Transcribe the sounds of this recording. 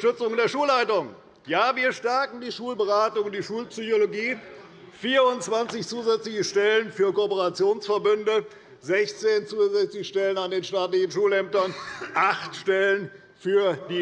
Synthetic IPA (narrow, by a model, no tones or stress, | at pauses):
tʏt͡sʊŋndeːɐʃuːlaɪtʊŋ | jaːviːɐʃtɛɐkŋ̩diːʃuːlbəʁaːtʊŋʊntd̥iːʃuːlpsyçoloɡiː | fiːɐʊntt͡sv̥ant͡sɪçt͡suːzɛt͡slɪçəʃtɛlənfyːɐkopəʁat͡sjoːnsfɛɐbʏndə | zɛçt͡seːnt͡suːzɛçt͡sɪçʃtɛlənandeːnʃtaɐtlɪçn̩ʃuːlɛmtɐnʔaχtʃtɛlən | fyːɐdiː